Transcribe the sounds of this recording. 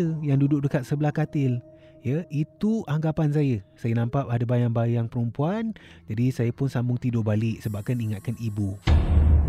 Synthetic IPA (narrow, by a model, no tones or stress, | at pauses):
əjaŋdudʊk̚dəkat̪̚səbəlahkat̪ɪl | jəit̪uʔaŋɡapans̬ajəsajənãmpap̚adabajaŋbajaŋpəɾumpuand͡ʒadisajəpʊnsambʊŋt̪idʊʔbalɪʔsəbap̚kaniŋat̪̚kanibu